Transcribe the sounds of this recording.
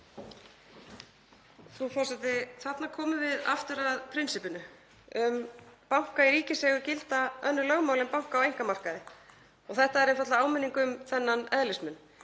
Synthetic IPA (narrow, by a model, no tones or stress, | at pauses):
fɾufɔrsɛt̪ɪθat̪nakʰɔːmʏvɪða̰ft̪ʏɾaðpʰɾɪnsɪpʏnʏ | ʏmpawŋ̥kaiɾiːcɪsɛːɣʏɾcɪlt̪aœnːʏlœɣmawlɪmpawŋ̥kawejŋ̥kamar̥kaðɪ | ɔɣθɛht̪aɛɾɪnfat̪laaːwmɪnːiŋkʏmθɛnːanɛðlɪsmʏn